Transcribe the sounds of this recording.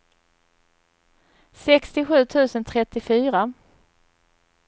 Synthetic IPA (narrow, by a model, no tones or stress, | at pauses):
sɛkst̪ɪɧʉ̟ːt̪ʰʉ̟ːsənt̪ʰɾɛt̪ːɪfyːɾa